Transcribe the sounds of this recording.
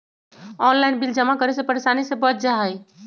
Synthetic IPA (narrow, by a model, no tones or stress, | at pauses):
ɔnlaɪnbild͡ʒəmakəɾesepəɾeʃanisẽbət̪̚d͡ʒaɦəj